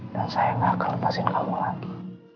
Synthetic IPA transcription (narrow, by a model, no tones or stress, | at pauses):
daŋsajaŋahkalmasɪnkʰamulaɡi